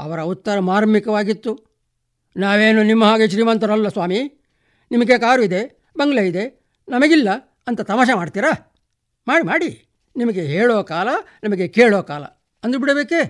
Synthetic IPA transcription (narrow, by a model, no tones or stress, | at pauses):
ɐ̰ʋɐɾɐut̪ːɐɾɐmaːɾmikɐʋaːɡit̪ːu | naːʋe̞ːnunimːɐɦaːɡeʃ̬ɾiːmɐnt̪ɐɾɐlːɐsʋaːmi | nimɐɡekaːɾuid̪e̞ | bɐŋɡɐɭɐid̪e̞ | nɐmɐɡilːɐ | ɐnt̪ɐt̪ɐmaːʃ̬ɐmaːɖt̪iːɾa | maːɽimaːɽi | nimɐɡeɦeːɭoːkaːlɐnɐmɐɡe̞keːɭoːkaːlɐ̰ | ɐnd̪ubiɽɐbeːke